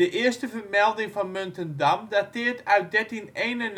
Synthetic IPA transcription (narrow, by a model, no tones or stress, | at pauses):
əʔɪəstəvərmɛlˠdɪŋfɔnmøntəndamdatɪːəɹtœɥt̚dɛtinejnən